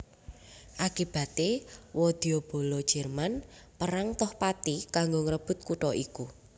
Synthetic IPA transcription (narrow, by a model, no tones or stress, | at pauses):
ʔakib̥ä̤t̪ewɔd̪̥iob̥o̤lɔd̥ʒ̥ɛ̤rmanpəɾaŋt̪ɔhpat̪ikaŋɡoŋəɾəb̥ʊ̤t̪̚kuʈɔʔiku